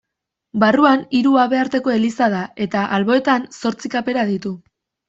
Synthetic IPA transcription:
baruaniɾuaβe̞aɾt̪e̞ko̞e̞lisað̞ae̞t̪aʔalβo̞e̞t̪anso̞ɾt͡sikape̞ɾaðit̪u

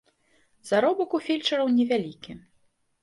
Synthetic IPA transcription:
zaɾɔbɐkufʲilʲt͡ʂɐɾɐwnʲɛvʲalʲikʲi

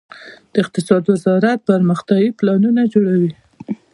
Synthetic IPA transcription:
d̪̥əɪq̚t̪ɪsɑd̪wəzɑɾat̪̚pəɾməxt̪ɑwiplɑnunad͡ʒoɽawi

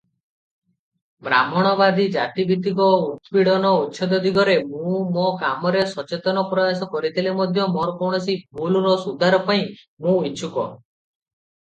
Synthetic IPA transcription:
bɾa̰mɔɽ̃ɔbad̪id͡ʒat̪ibit̪ikɔut̪piɽɔnɔutːʃʰɔd̪ɔd̪ʱiɡɔɾemũmɔkamɔɾesɔt͡ʃet̪ɔnɔpɾɔjasɔkɔɾit̪ʰilimɔd̪ʱjɔmɔɾɔkɔwɽ̃ɔsibʱuluɾɔsud̪ʱaɾɔpaĩ | mũit͡ʃʰukɔ̰

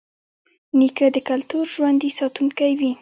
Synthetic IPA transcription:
nikəd̪əkalt̪uɾʒwand̪isɑt̪uŋkajwi

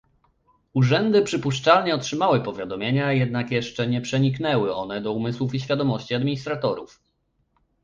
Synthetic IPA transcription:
uʐɛnd̪ɘpʂɘpuʂt͡ʂalɲɛɔtʂɘmawɘpɔvʲjad̪ɔmʲjeɲajɛd̪nakjɛʂt͡ʂɛɲɛpʂɛɲiknɛwɘɔ̰nɛd̪ɔumɘswufiɕfʲad̪ɔmɔɕt͡ɕiad̪mʲiɲist̪ɾat̪ɔɾuf

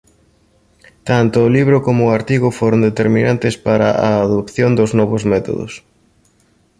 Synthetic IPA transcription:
t̪ant̪ʊːliβɾʊkomʊːaɾt̪iɣʊfoɾʊnd̪et̪eɾmĩnant̪ɪspaɾɐ̰ʔa̰ːðopθjond̪ʊznɔβʊzmɛt̪o̰ðʊ̰s

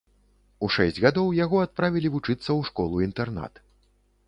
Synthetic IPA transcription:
uʂɛsʲd͡zʲɣad̪ɔwjaɣɔat̪̚pɾavʲilʲivut͡ʂɨt̪sːɐwʂkɔlˠuint̪ɛrna̰t̪

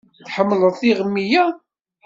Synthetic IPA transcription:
θħəmːləðˤθiʁəmːijæ

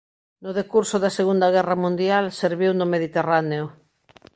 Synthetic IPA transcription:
nʊðekuɾsʊðɐseɣund̪ɐɣ̞ɛrɐmũnd̪jalseɾβiwnomeðit̪eraneʊ

